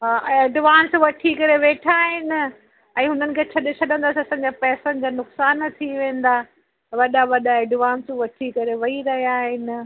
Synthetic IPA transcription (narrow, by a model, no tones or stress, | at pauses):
ɦaːʔeːɖʋaːnsʋɐʈʰikɐɾeʋeːʈʰaːɦɪnɪ̆ | ɛ̃ːɦʊnənɪkʰeːt͡ɕʰɐɗɪsʰɐɗə̃nd̪aːsiɐsãːd͡ʑapɛːsə̃nɪ̆d͡ʑaːnʊksaːnt̪ʰiʋẽːnd̪a | ʋɐɗaʋɐɗaeɖʋaːnsʋɐʈʰikɐɾeʋɐiɾɐɦijaːɦɪnɪ̆